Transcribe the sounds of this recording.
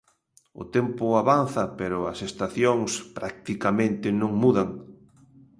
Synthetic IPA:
ʊ̰t̪ɛmpʊaβanθɐpeɾʊɐsest̪aθjoŋspɾak̚t̪ikamẽnt̪ɪnõŋmuðaŋ

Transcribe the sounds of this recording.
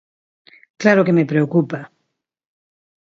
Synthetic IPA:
klaɾokeme̞pɾeokupa

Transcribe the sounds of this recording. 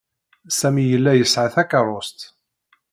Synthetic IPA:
sæmijəlːæjəsʕaθækɑrˤʊst̪

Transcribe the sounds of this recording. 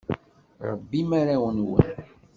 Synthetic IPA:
ɾˤə̰bːimaɾæwənwə̰n

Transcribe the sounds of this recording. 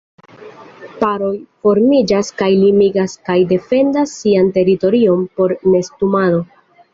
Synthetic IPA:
paɾo̞jfo̞ɾmid͡ʒaskajlimiɡaskajde̞fe̞ndasːiante̞ɾito̞ɾio̞mpo̞ɾne̞stumado̞

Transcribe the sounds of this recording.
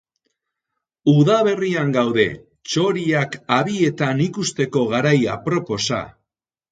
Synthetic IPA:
uðaβe̞riaŋɡawðe̞̰ | t͡ʃo̞ɾiakaβie̞t̪anikust̪e̞ko̞ɣ̞aɾaja̰pɾo̞po̞sa̰

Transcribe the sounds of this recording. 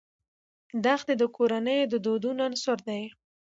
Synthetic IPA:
d̪axd̪ed̪əkʰoɾanəjod̪əd̪od̪unansʊɾd̪aj

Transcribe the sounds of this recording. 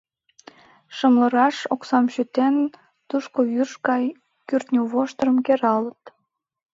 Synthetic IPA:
ʃəmləɾɑʃoksɑmʃyt̪en | t̪uʃkojyʃkɑj | kyrt̪nʲuβoʃt̪əɾəmkeɾɑlət̪

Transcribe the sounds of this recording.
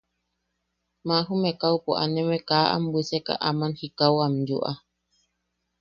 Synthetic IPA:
mãɦumẽkawpoʔa̰nẽmẽkaːʔa̰mbiseka̰ʔamanhikawamjṵʔa

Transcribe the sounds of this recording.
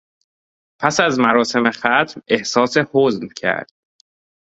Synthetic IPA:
pʰæsæzmæɾɒːse̞me̞xæt̪ʰme̞hsɒːse̞hoːzmcʰæ̰ɾd̪̥

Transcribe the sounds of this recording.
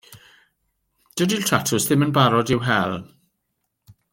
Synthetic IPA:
d̥ədiltʰr̥atʰʊsðɪmənbaɾɔdɪwɦɛlˠ

